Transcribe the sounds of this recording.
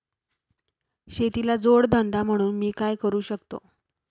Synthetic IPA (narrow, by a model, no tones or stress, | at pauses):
ɕet̪ilad͡zoɽd̪ʱənd̪ʱam̤əɽ̃uːnmiːkajkəɾuːɕəkt̪o̰